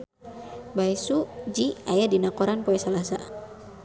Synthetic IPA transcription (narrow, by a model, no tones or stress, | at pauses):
baisud͡ʒiajadinakɔɾanpoɛsalasa̰